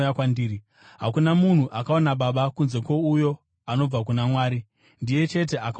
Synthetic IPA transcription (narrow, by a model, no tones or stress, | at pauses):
jakwandiːɾi | ɦakunamun̤uʔakao̞naɓaɓakunze̞kwo̞ujo̞ | ano̞b͡vak̬unamwaːɾi | ndije̞t͡ʃe̞t̬e̞ʔaka